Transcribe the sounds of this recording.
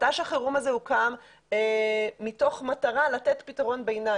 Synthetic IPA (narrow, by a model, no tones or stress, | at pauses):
taʃaχeʁumazeukam | emito̞χmataʁalatet̪pitaʁo̞nbejna